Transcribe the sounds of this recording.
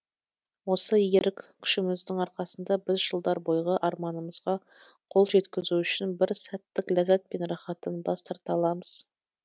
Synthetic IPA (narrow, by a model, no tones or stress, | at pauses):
wo̞səjeɾɪkʲkʲʰʏ̥ʃɪmɪzd̪ɪŋɑɾqɑsənd̪ɑbɪzʒəlˠd̪ɑɾbo̞jʁəʔɑɾmɑnəməz̥ʁɑ | qʰo̞lˠʒe̞t̪kʲɪzuʏʃɪnbɪɾsæt̪ːɪklæzæt̪̚penɾɑχɑt̪ənbɑst̪ʰɑɾt̪ɑlˠɑməz̥